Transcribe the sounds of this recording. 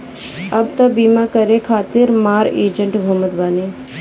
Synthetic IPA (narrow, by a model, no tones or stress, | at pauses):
ɐb̚t̪ɐbiːmakəɾekʰaːt̪ɪɾmaːɾeːd͡ʒəɳʈbʱoməd̪baːneː